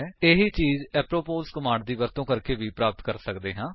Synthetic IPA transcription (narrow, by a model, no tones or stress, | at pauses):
eːɦiːt͡ʃiːzɛːpɾoːpoːlskəmãːɳɖd̪iːʋəɾt̪õːkəɾkeːʋiːpɾaːpət̪kəɾsəkd̪eːɦãː